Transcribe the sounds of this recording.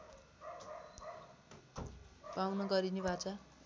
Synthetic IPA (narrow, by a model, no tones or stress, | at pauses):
pawnʌɡʌɾinebat͡sa